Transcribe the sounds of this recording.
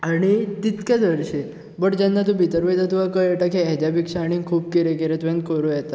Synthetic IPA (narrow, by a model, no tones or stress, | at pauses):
añit̪it̪kad̪ʋəɾʃe | bəʈd͡ʑãnːat̪̬ũbʱit̪əɾʋəjt̪at̪uʋakəjeʈakʰeɛd͡ʒabikʃaɽ̃ĩkʰuːb̚keɾekeɾet̪ʋẽnd̪̚koɾũjɛt̪a